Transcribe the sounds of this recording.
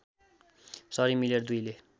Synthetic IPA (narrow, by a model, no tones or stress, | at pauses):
sʌɾimileɾd̪ujle